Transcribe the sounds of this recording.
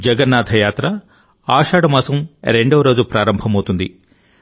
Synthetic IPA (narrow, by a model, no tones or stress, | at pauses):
d͡ʒɐɡɐnːaːd̪ʱɐjaːt̪ɾɐ | aːʂaːɽɐmɐːsɐmɾe̞ɳɖoːɾo̞ːd͡ʒupɾaːɾɐmbʱɐmɐwt̪und̪i